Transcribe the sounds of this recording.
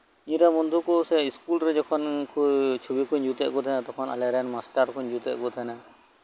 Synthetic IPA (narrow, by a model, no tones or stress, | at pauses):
iɲɾamɔnd̪ʱukɔsɛiskulɾɛd͡ʒɔkʰɔnkʰut͡ʃʰubikʰuɲd͡ʒut̪ɛ̰ʔkɔt̪ʰanat̪ɔkʰɔna̰lɛɾɛnmasʈaɾkʰuɲd͡ʒut̪ɛ̰ʔkɔt̪ʰana